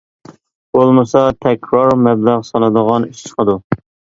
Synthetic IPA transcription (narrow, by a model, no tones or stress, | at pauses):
b̥olˠmɨsɑt̪ʰɛkʲʰɾɑɾmɛblæʁsɑlˠɨd̪əʁɑnyʃt͡ʃʰqəd̪u